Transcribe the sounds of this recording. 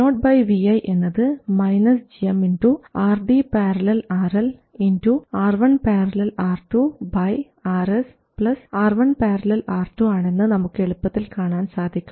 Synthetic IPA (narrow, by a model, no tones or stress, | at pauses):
noːʈ̚bɐjʋiɐjʔe̞nːɐðɨmɐjnɐsd͡ʑijɐminduaːrɖipeːɾɐlɐlaːrɐlinduaːrʋɐɳpeːɾɐlɐlaːrʈubɐj | aːɾes | pɭɐsaːrʋɐɳpeːrɐlɐlaːrʈːuaːɳe̞nːɨnɐmukːe̞ɭupːɐt̪ːilkaːɳaːnsaːd̪ʱikʲːum